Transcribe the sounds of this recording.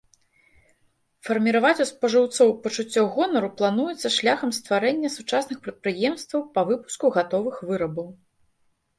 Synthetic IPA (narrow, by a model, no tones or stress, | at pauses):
fɐrmʲiɾavat͡sʲuspɐʐɨwt̪sɔwpɐt͡ʂut͡sʲːɔɣɔnɐɾuplˠanujɛt̪sːɐʂlʲaxɐmst̪vaɾɛnʲːɐsut͡ʂasnɨxpɾɐt̪̚pɾɨjɛmst̪vɐwpɐvɨpu̥skuɣat̪ɔvɨxvɨɾɐbɐw